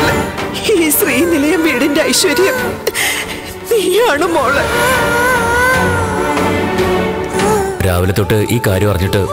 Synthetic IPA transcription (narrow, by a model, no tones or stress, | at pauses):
ɭiːsriːnilɐjɐmʋiːɽindeɐjɕʋɐɾjɐm | niːaːɳumoːɭe | ɾaːʋɐlɐt̪ːoʈːɨʔiːkaːɾjɐmpɐrɐɲːiʈːɨ